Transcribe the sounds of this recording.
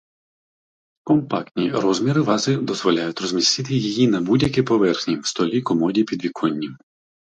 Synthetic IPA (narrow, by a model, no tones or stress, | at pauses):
kɔmpɑkt̪ʲnʲiɾɔzmʲiɾɪʋɑzɪd̪ɔzʋɔlʲajʊtʲrɔzmʲist̪ɪt̪ɪjijinɐbudʲjɐkʲɛpɔʋɛrxnʲiwst̪ɔlʲikɔmɔdʲipʲid̪ʋʲikʰɔnʲːim